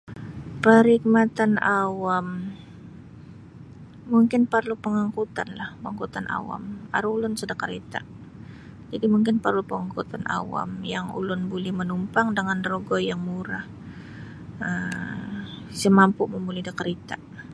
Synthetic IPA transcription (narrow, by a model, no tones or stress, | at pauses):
pəɾik̚mat̪anawam | muŋkɪnpərlupəŋaŋkut̪a̰nlahpəaŋkut̪anʔa̰wa̰ma̰ɾuulʊnsədakəɾet̪a | d͡ʒadimuŋkɪnpərlupəŋaŋkut̪anʔa̰wa̰mjaŋṵlʊnbulɛhmənumpaŋdəŋanroɡɔjaŋmuɾah | əm | səmampʊʔməmulɛhdakəɾet̪a